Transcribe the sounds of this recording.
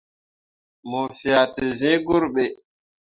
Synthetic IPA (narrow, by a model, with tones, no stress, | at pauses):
mo˨fi˨a˨ti˨zẽ˦ɡu˦ɾɓɛ˨